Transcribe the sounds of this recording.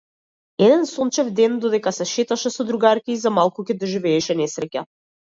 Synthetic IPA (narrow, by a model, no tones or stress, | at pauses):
ɛd̪ɛnsɔnt͡ʃɛvd̪ɛnd̪ɔd̪ɛkasɛʃɛt̪aʃɛsɔd̪ɾuɡaɾkʲiizamalˠkukʲɛd̪ɔʒivɛːʃɛnɛsɾɛca